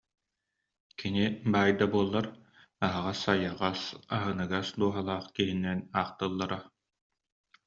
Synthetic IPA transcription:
kinibaːjd̪abuɔlˠːaɾ | aɦaʁasajaʁasaɦɯnɯɡasd̪uɔɦalˠaːχkiɦinːɛnaːqt̪ɯlˠːaɾa

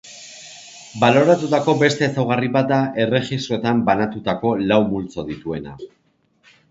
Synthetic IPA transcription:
balo̞ɾat̪ut̪ako̞be̞st̪e̞ːsawɣariβat̪̚d̪aʔe̞re̞ʝist̪ɾo̞t̪ambanat̪ut̪ako̞lawmult͡so̞ðit̪ue̞na̰

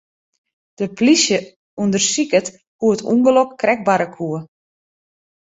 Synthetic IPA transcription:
d̥əplisjə | undərsikət | huətʰṵŋɡəlɔkːrɛɡ̚baɾəkʰuə

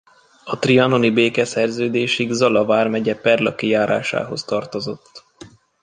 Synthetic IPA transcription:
ɒt̪riɒno̞nibeːkɛsɛrzøːd̪eːʃiɡzɒlɒvaːrmɛɟɛpɛrlɒkijaːɾa̰ːʃa̰ːɦo̞st̪ɒrt̪o̞zo̞t̪ː

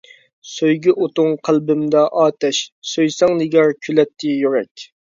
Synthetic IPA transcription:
søjɡʲɪʔot̪ʊŋqʰəlbɪmd̪ɛʔɑːt̪ɛʃsøjsɛŋd̪ɪɡʲɛɾkʲʰylɛt̪ʰːɪjyɾɛkʲ

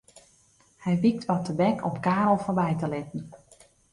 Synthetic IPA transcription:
hɛjʋik̚tʋɔtəbɛkɔpkaːɾlˠforbɛjtəlɪtən̩

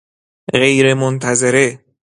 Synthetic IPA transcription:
ɣejɾemont̪ʰæzeɾe

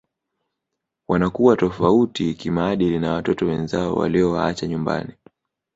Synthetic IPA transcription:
wanakuwatɔfautikimaːɗilinawatɔtɔwɛnzaɔ̰wa̰liɔwaa̰t͡ʃaɲumba̰ni

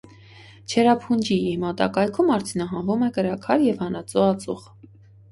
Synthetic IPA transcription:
t͡ʃʰɛɾɑpʰund͡ʒiːmɑt̪ɑ̰kɑjkʰumɑɾt͡sʰinɑɦɑnvumɛkəɾɑkʰɑɾjɛvhɑnɑt͡suɑt͡suʁ

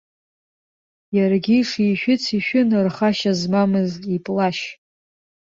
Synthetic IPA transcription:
jarɡʲiʂiʃᶣɪt͡sʰiʃᶣɪnrχaʃazmamɨzipʼlaʃ

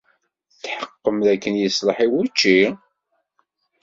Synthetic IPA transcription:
θħəqːəmðækːənjəsləħiwæt͡ʃːi

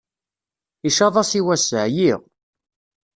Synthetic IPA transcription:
iʃɑðˤɑsiwæsəʕjiʁ

